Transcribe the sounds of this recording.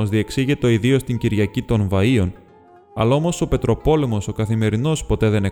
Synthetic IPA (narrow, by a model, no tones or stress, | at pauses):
ozðie̞ksiʝet̪o̞iðio̞st̪iɲɟiɾʝɐcit̪o̞nvɐio̞n | ɐ̰lɐomo̞so̞pe̞t̪ɾo̞po̞le̞mo̞so̞kɐθime̞ɾino̞spo̞t̪e̞ðe̞ne